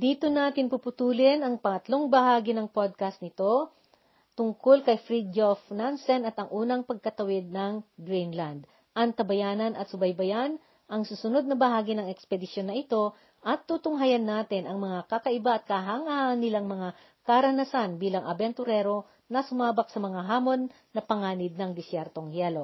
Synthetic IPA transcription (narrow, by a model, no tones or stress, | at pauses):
d̪iːt̪o̞naːt̪ɪnpupʊt̪uːlɪnɐŋpɐŋɐt̪lo̞ŋbɐhaːɡɪnɐŋpod̪̚kɐst̪nɪt̪o̞ | t̪ʊŋkolkɐjfɾid̪ofnansɛnɐt̪ɐŋʔuːnɐŋpɐɡ̚kɐt̪ɐwɪd̪̚nɐŋɡɾinland̪ | ʔɐŋt̪ɐbɐjaːnɐnʔɐt̪sʊbɐjbɐjan | ʔɐŋsusʊno̞d̪̚nɐbɐɦaːɡɪnɐŋɛkspɛd̪ɪsjo̞nːɐʔɪt̪o̞ | ʔɐt̪ːut̪ʊŋɦajɐnːaːt̪ɪnʔɐŋmɐŋakɐkɐʔɪbaʔɐt̪̚kɐɦaŋaʔɐnːɪlaŋmɐŋa | kɐɾɐnɐsanbiːlɐŋʔɐbɛnt̪ʊɾɛɾo̞ | nɐsʊmaːbɐk̚sɐmɐŋaɦaːmo̞nːɐpɐŋaːnɪd̪̚nɐŋd̪ɪsjɛɾt̪o̞ŋjɛlo